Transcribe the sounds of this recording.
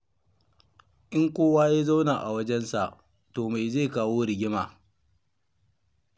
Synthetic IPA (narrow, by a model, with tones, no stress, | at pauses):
ʔɪ˦ŋkʷoː˦waː˦ja˦za˦wnaː˨ʔa˨wɐ˦d͡ʒɛ˦nsa˨ʔ | toː˨ma˨jza˦˨kaː˦woː˦ɽɪ˨ɡʲɪ˦maː˨